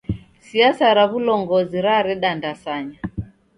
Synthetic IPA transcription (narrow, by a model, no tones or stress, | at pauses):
siasaɾaβulɔŋɡɔziɾaɾɛɗandasaɲa